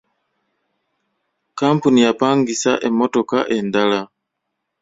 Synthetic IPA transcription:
kampunijapaŋɡisa̰ʔemotoka̰ʔendala

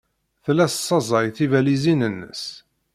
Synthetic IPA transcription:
θlæssˤːɑzˤɑjθivælizinənːə̰s

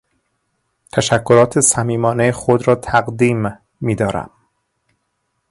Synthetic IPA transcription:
t̪ʰæʃækʰːoɾɒːt̪ʰesæmiːmɒːnejexod̪ɾɒːt̪ʰæɣd̪iːmː | iːd̪ɒːɾæ̰m

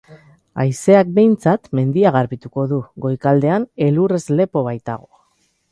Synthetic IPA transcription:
a̰jse̞ak̚be̞jnt͡sat̪me̞nd̪iaɣ̞aɾβit̪uko̞ðuɣo̞jkald̪e̞ane̞lure̞zle̞po̞β̞ajt̪a̰ɣ̞o̞

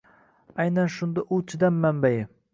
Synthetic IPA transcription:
ajnanʃʊnd̪aʔʊt͡ʃʰɪd̪amːambajɪ

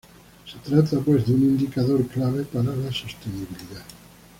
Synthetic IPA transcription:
set̪ɾat̪apwezd̪unind̪ikaðoɾklaβepaɾalasost̪eniβiliða

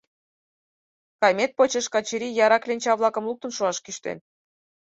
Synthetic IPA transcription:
kɑjmʲet̪̚pot͡ɕeʃkɑt͡ɕiɾʲijɑɾɑklʲenʲt͡ɕɑβlˠɑkə̆mluk̚t̪ə̆nʃuɑʃkyʃt̪ḛn

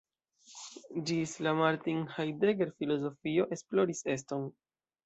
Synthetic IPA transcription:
d͡ʒislamaɾtinhajdeɡe̞ɾfilo̞zo̞fio̞ʔe̞splo̞ɾise̞s̬to̞n

